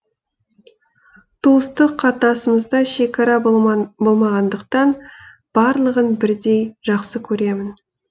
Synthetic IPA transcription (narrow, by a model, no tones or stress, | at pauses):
t̪ʰuəst̪əqʰːɑt̪ɑsəməzd̪ɑʃe̞kʰɑɾɑbo̞lˠmɑʁɑnd̪əqt̪ɑn | b̥ɑɾlˠəʁənbɪɾd̪e̞jʒɑqsəkʲʰɵɾe̞mɪn